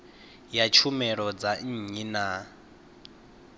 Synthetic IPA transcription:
jat͡ʃʰumɛɺɔd͡zaɲ̩ɲina

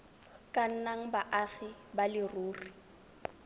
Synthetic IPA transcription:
kʼan̩naŋ̩baʔaɣibalɪruːri

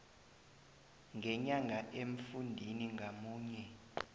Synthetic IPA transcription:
ŋʱɛɲaŋʱaʔeɱ̩fundʱiniŋɡʱamuːɲɛ

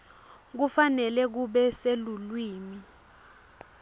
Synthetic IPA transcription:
k̬ufanɛlɛk̬uɓɛselulwiːmi

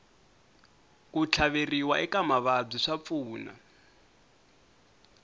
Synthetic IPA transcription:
kut͡ɬʰaβeriwaʔɛkamaβab͡ʐiʂap̪fuːna̰

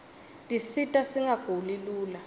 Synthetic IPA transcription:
tʼisitʼasiŋaɡ̥ʱoliluːla

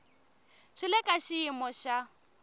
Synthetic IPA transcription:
ʃɪlɪkʼaʃɪimɔʃa

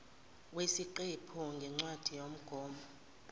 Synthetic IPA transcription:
wesiǃepʰuŋɡʱɛŋ͡ǀwad̥ʱijom̩ɡ̥ʱɔːmɔ

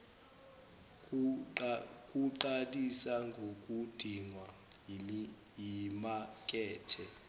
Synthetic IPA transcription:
kʼuǃatʼisaŋɡʱok̬ʼud̥ʱiŋwa | jimak̬ʼɛːtʰɛ

